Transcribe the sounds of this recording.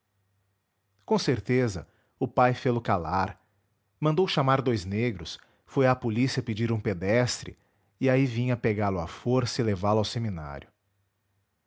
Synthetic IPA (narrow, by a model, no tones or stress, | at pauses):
kõseɾt̪ezɐ̰ | ʊpajfelʊkalaɾ | mɐ̃nd̪owʃamaɾd̪ojzneɡɾʊs | fojapolisiɐped͡ʒiɾũped̪ɛst̪ɾɪ̰ | ɪaivĩɲɐpeɡalʊa̰foɾsɐɪlevalʊawsemina̰ɾʲjʊ